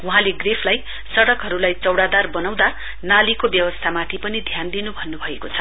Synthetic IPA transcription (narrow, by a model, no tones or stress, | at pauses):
uɦãleɡrepʰlaj | sʌɽʌkɦʌɾulajt͡sʌwɽad̪arbʌnaw̃d̪a | nalikobjʌwʌst̪ʰamat̪ʰipʌnid̪ʱjand̪inubʱʌnːubʱʌekot͡sʰʌ